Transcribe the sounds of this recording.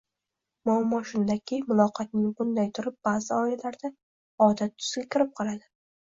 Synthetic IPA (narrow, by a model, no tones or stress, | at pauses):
mamːɒʃʊnd̪akʲʰɪmʊlˠɒqʰɑt̪̚nɪŋbʊnd̪ajt̪ʰʊɾɪp̚b̥aːzɪɒɪlaɾd̪a | ɒd̪at̪̚ːʰʊ̥z̥ɡʲakʲʰɪɾɪp̚qʰɒlˠad̪ɪ